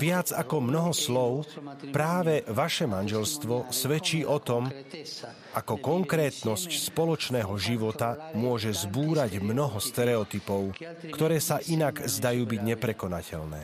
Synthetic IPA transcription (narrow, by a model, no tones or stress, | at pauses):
ʋɪad͡zakɔmnɔɦɔslɔʊpɾaːʋɛʋaʃɛmanʒɛlst̪ʋɔsʋɛt͡ʃiːʔɔt̪ɔm | ʔakɔkɔŋkɾɛːt̪nɔscspɔlɔt͡ʃnɛːɦɔʒiʋɔt̪amʊɔʒɛzbuːɾaɟmnɔɦɔst̪ɛɾɛɔt̪ipɔʊkt̪ɔɾɛːsaʔinaɡzd̪ajuːbiɟɲɛpɾɛkɔnacʰɛ̰ʎnɛ̰ː